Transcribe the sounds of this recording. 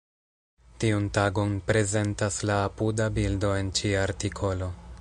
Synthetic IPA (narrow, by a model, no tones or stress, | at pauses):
tiuntaɡo̞npɾe̞ze̞ntaslaːpudabildo̞e̞nt͡ʃiaɾtikʰo̞lo̞